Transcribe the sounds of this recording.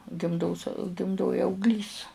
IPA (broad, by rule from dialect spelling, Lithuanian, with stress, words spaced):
ɡʲɪmˈdoːs ɡʲɪmˈdoːj ɐʊɡˈlʲiːs